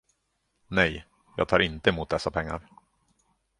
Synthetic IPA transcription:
nɛj | jɑːɡ̚t̪ʰɑːɾɪnt̪əɛmuːt̪̚d̪ɛsːapʰɛŋːa̰ɾ

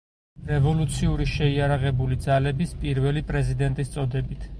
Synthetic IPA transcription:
ɾɛvɔlut̪sʰiuɾiʃɛiaɾaʁɛbulid̪zalɛbispʼiɾvɛlipʼɾɛzid̪ɛnt̪ʼist̪sʼɔd̪ɛbit̪ʰ

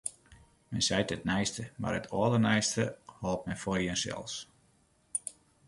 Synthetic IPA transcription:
mɛnsɛjtət̚nɛjstəma̰rətʰɔəlˠənɛjstəhɔlˠp̚mɛnfɔjənsɛ̰lˠs

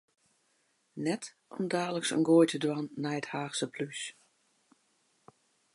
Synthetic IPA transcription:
nɛt | ʔɔ̰mdaːləksə̰nɡoːjtʰədwanːɛjəthaːxsəpʰlys

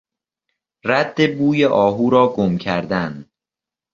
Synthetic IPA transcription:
ræd̪ːe̞buːjeʔɒːɦuːɾɒːɡomcʰæɾd̪æn

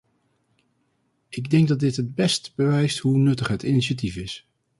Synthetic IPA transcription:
ʔɪɡdɛŋɡ̚dɑt̚dɪtɦəd̚bɛstb̥əʋɛjstɦunɵtəχɦətiniʃat̬ifɪs

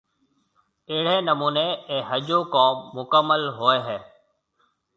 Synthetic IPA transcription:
eːɽ̤eːnəmuːneːeːɦəd͡ʒoːkõːʊkəmːəlɦoːeːɦɛː

